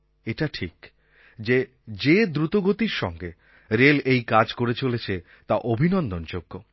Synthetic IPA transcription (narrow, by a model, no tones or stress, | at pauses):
eʈaʈʰik | d͡ʑe | d͡ʑed̪ɾut̪oɡot̪iɾʃɔŋɡe | ɾelejkad͡ʑkoɾet͡ɕolet͡ɕʰe | t̪aʔobʱinɔnd̪ond͡ʑoɡːo